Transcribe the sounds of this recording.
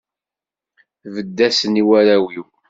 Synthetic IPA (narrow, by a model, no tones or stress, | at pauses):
vəd̪ːæsəniwæɾæwiw